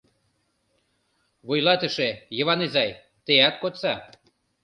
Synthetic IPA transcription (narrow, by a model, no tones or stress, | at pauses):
βujlɑt̪ə̆ʃejə̆βɑnizɑj | t̪eæt̪̚kot̪t͡sɑ